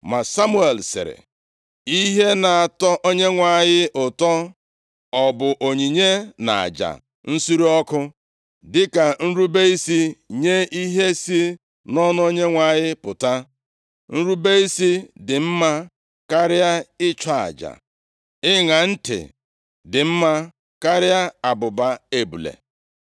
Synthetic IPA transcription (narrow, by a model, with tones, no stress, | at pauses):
ma˨sa˦mu˦e˨lsɪ̰˨ɾɪ̰˨ | i˦ɦe˦na˨a˨tɔ˦ʔo˦ɲe˦ŋʷa˨jɪ˦ʔʊ˨tɔ˦ | ɔ˨bʊ˨ʔo˨ɲi˨ɲe˦na̰˨a̰˨d͡ʒa̰˨ | n̩˦su˦ɾi˦ɔ˦kʊ˦ | dɪ˦ka˨n̩˦ɾu˦be˦i˦si˦ɲe˦i˦ɦe˦si˦ | nɔ˦n˦o˦ɲe˦ŋʷa˨ɲɪ˦pʊ˨ta˦ | n̩˦ɾu˦be˦i˦si˦dɪ˨m̩˦ma˦ | ka˦ɾɪ˦a˦ɪ˦t͡ʃa˦˨a̰˨d͡ʒa̰˨ | ɪ˦ŋa˨n̩˦tɪ̰˨ | dɪ˨m̩˦ma˦ | ka˦ɾɪ˦a˦a˨bʊ˨ba˦e˦bṵ˨lḛ˨